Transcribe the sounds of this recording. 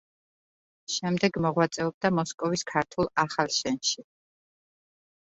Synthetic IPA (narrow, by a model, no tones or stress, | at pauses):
ʃɛmd̪ɛɡmɔʁwat̪sʼɛɔb̚d̪amɔskʼɔviskʰaɾt̪ʰulˠaχalˠʃɛnʃi